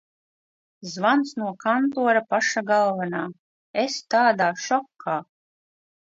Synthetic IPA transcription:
zvansnuɔkant̪uɔɾapaʃaɡalˠvanaː | est̪aːd̪aːʃɔkʰːaː

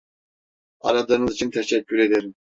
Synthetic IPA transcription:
ɑ̰ɾad̪ˠaɾɯnɯzit͡ʃʰint̪ʰɛʃɛcʰːyɾed̪eɾim

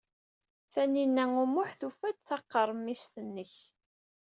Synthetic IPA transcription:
θæninːæŋumʊħθufæd̪θɑqːəɾˤəmːist̪ənːəç

